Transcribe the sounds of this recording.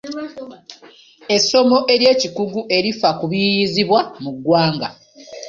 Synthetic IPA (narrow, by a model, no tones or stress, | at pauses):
e̞so̞mo̞ʔe̞ɾje̞ːcikuɡuʔe̞ɾifakuβijiziβwamuɡːwaːŋɡa